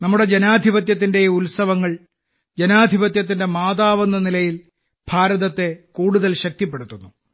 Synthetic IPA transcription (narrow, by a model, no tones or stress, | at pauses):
nɐmːuɽe̞d͡ʑenaːd̪ʱibɐt̪jɐt̪̬ːinde̞ulsɐʋɐŋːɐɭ | d͡ʑenaːd̪ʱibɐt̪̬jɐt̪ːinde̞maːðaːʋɐnːɐnilɐjil | b̥ʱaːɾɐðɐt̪ːe̞kuːɽuðɐlɕɐk̚t̪ip̬ːe̞ɽut̪ːunːu